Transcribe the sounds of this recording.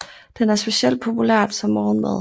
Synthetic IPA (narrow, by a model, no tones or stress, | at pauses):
d̥enæɐsb̥e̝ɕiel̰d̥̚pʰo̝pʰulæɐ̰d̥sɒ̽mːɒːn̩meðˠ